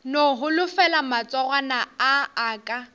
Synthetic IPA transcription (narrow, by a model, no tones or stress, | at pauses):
noɦʊlʊfɛlamat͡sʼɔɣanaaːkʼa